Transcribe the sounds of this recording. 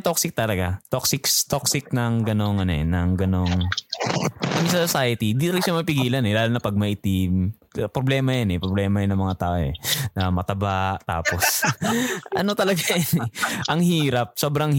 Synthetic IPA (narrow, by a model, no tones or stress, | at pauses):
t̪oksɪk̚t̪ɐlɐɡat̪oksɪkst̪oksɪk̚nɐŋɡɐno̞ŋʔɐnoʔɛ̰nɐŋɡɐno̞ŋ | kɐmɪsɐsosajɐt̪ind̪it̪lɐɡaʃamɐpɪɡiːlɐnɛlaːlonɐpɐɡ̚mɐʔɪt̪ɪm | pɾoblɛːmɐjɐnɛpɾoblɛːmɐjɐnɐŋmɐŋat̪aːʔoɛ̰nɐmɐt̪ɐbaʔt̪a̰ːpos | ʔɐ̰no̞t̪ɐlɐɡajɐnɛʔɐŋhiːɾɐp̚so̞ːbɾɐŋ